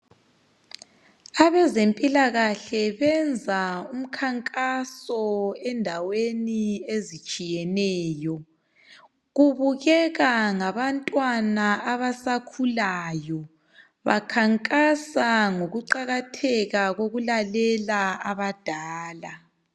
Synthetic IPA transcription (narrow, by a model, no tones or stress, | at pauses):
aβɛzempʼilaɣaɬɛβɛnd͡zʱaum̩kʰaŋkʼasɔɛndʱaweniezit͡ʃʼijɛnɛːjɔ | ɣuβuɣɛɣaŋaβantʼwanaaβasakʰulajɔ | βa̰kʰaŋkʼasaŋoɣuǃaɣatʰɛɣaɣoɣulalɛlaaβad̥ʱaːla